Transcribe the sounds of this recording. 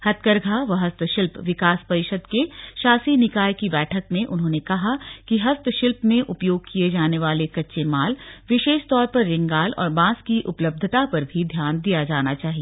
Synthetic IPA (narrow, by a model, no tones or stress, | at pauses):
hɐt̪kəɾɡʱaʋɐɦɐst̪ʃɪlpʋɪkaːspɐɾɪʃəd̪keʃaːsinɪkaːjkibɛːʈʰəkmẽʔʊnɦõːnekɐɦakiɦɐst̪ʃɪlpmẽʔʊpjoːɡ̚kied͡ʒaːneʋaːlekɐtːʃemaːlʋɪʃeːʃt̪ɔːɾpɐɾːɪ̃ŋɡaːlɔ̰ːɾbãːskiʔʊpləb̚d̪ʱət̪apɐɾbʱid̪ʱjaːnd̪ijad͡ʒaːnat͡ʃaːɦieː